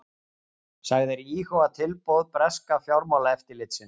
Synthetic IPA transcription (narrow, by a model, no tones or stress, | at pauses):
saɣðɪɾiːhowat̪ʰɪlpoːwðpɾɛskafjawɾmawlaɛft̪ɪɾlɪt̪sɪn